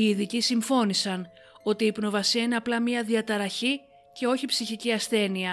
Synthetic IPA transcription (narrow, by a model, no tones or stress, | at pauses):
iːðicisiɱfo̞nisɐn | o̞t̪iːpno̞vɐsiɐine̞ɐplɐmɲiɐðiɐt̪ɐɾɐçi | ce̞o̞çipsiçiciɐsθe̞niɐ